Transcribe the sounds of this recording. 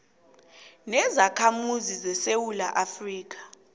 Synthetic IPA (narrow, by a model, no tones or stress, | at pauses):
nɛzakʰamuzizɛsewulaʔafriːk̬ḁ